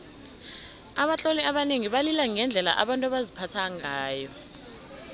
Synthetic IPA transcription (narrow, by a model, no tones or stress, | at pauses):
aɓat͡ɬʼoliaɓaneŋiɓalilaŋɛnd͡ɮʱɛla̰ʔaɓantʼuaɓazipʰatʰaŋaːjɔ